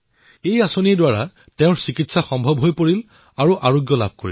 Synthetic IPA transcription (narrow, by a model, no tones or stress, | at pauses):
ejasonidwaɹa | tɛ̃ʊ̃ɹsikitsaxɔmbʱɔbɦojpoɹil | aɹuʔaɹoɡjɔla̰b̚ʱkoɹḭl